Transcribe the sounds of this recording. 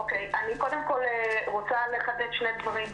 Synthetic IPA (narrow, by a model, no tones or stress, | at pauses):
okejaniko̞d̪e̞mko̞lʁo̞t͡sale̞χad̪et̪ʃned̪vaʁim